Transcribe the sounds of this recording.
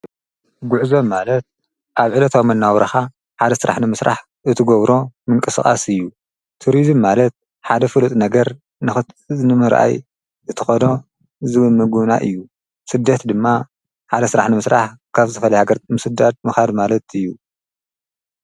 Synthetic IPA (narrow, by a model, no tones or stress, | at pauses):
ɡuʕzo̞mːalɐt̪̚ | ʔaβʕɨlɐt̪ʰawmɐnːawɾɐxa | ħad̪ɐsɨɾa̰ħnɨmɨsɾa̰ħ | ʔɨt̪ʰɨɡɐβɾo̞mɨŋkʼɨsɨa̰sɨjːu | t̪ʰuɾizɨmːalɐt̪̚ | ħad̪ɐfɨlut̪ʼnɐɡɐɾ | nɨxɨ | nɨmɨɾʔa̰j | ɨt̪ʰɨ̥xono̞ | zɨβɨlmɨɡuβna̰ʔɨ̰jːu | sɨd̪ːɐt̪d̪ɨmːa | ħad̪ɐsɨɾaħnɨmɨsɾaħkʰaβzɨt̪ʰɐfɐlɐjhaɡɐɾt̪mɨsɨd̪ad̪̚mɨxad̪malɐt̪ɨjːu